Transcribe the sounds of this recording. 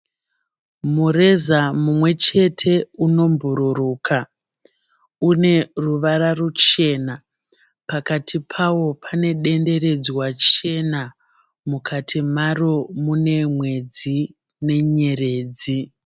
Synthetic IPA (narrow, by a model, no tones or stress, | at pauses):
mure̞zamumwe̞t͡ʃe̞tʰe̞uno̞mbuɾuɾuːkʰa | une̞ruʋaɾarut͡ʃe̞ːna | pakatʰipʰawo̞pʰane̞ɗe̞nde̞ɾe̞d͡ziwat͡ʃe̞na | mukʰatʰimaromune̞mwe̞d͡zi | ne̞ɲe̞reːd͡zi